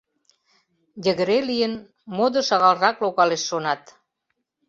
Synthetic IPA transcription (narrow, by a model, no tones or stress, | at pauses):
jəɣəɾeliən | mod̪oʃɑɣɑlrɑklokɑleʃːonɑt̪